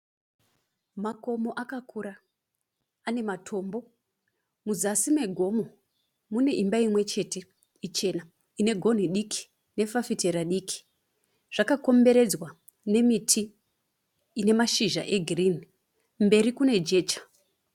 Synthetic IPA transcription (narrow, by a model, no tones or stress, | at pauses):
mako̞mo̞ʔakakuɾa | ane̞matʰo̞ːmbo̞ | muzasime̞ɡʱo̞mo̞ | mune̞ʔimbaimwe̞t͡ʃe̞te̞ | it͡ʃe̞na | ine̞ɡʱo̞n̤iɗikʰi̥ | ne̞fafite̞ɾaɗikʰi̥ | ʐ̥akako̞mbe̞ɾe̞d͡zwa | ne̞mitʰi | ne̞maʃiʒa̰ʔe̞ɡʱirini | mbe̞rikune̞d͡ʒe̞ːt͡ʃḁ